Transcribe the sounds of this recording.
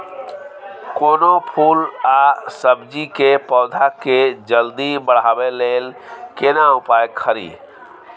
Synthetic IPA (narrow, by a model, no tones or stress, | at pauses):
koːnopʰuːlasəbd͡ʒikepɔːd̪ʱaked͡ʒəld̪ibəɽ̤aːbeleːlkenaʊpaːjkʰəɾḭː